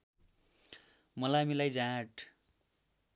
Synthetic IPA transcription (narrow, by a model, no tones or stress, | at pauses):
mʌlamilajd͡zãʈʰ